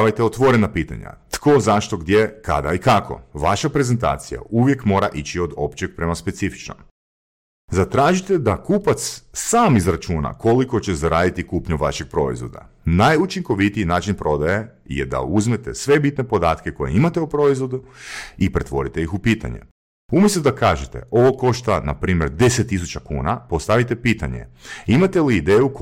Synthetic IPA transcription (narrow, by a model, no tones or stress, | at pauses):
ʋajt̪eot̪ʋo̞ɾe̞napiːt̪a̰ɲa̰t̪ko̞zaʃt̪o̞ɡd̪jeka̰d̪a̰ikakʰo̞̰ʋaʃapɾe̞ze̞nt̪a̰ːt̪sija̰uʋje̞kmo̞ːɾa̰ʔit͡ɕio̞d̪o̞pt͡ɕeɡ̥̚pɾe̞maspe̞t̪sifi̥t͡ʃno̰m | zat̪ɾaːʒit̪e̞d̪akuːpat̪ssaːmizɾat͡ʃuːna̰ko̞liko̞t͡ɕe̞zaɾaːd̪it̪ikuːpɲuʋaʃeɡ̥̚pɾo̞̰ḭzʋo̞̰d̪a̰ | najut͡ʃiŋko̞ʋit̪iinaːt͡ʃinpɾo̞d̪aje̞ | jḛd̪a̰uzme̞t̪e̞sʋe̞bit̪ne̞po̞d̪aːt̪ke̞ko̞jeimat̪e̞upɾo̞izʋo̞d̪uipɾe̞t̪ʋo̞̰ɾit̪e̞ixupiːt̪a̰ɲḛ | umjest̪ud̪akaːʒet̪e̞̰o̞ʋoko̞ʃt̪ana̰pɾiːmʲje̞ɾd̪eset̪ːis̬ut͡ɕakṵːna̰po̞st̪aʋit̪e̞piːt̪a̰ɲḛimat̪e̞liːd̪eːjuk